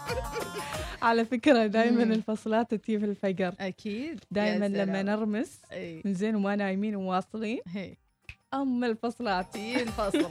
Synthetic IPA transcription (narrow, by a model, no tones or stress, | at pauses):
ʕalafɪkɾad̪aːjmanɪlfɑsˤlɑːt̪at̪iːfɪlfad͡ʒɾˤʔakʰiːd̪d̪aːjmanlamːanɪɾˤmɪsʔemɪnzeːnmanaːjmiːnwwɑːsˤliːnɦeː | ʔamːalfɑsˤlɑːt̪ːlfɑsl